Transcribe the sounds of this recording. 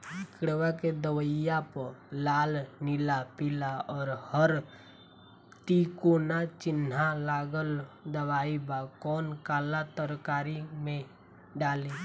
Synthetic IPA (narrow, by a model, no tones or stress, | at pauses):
ɪkɽwaked̪əwəjapəlaːlnɪlapɪlaɔːɾhəɾ | t̪ikoːnat͡ʃɪnɦalaːɡəld̪əbaːibakɔːnkaːlat̪əɾkaːɾimẽ | ɖaːliː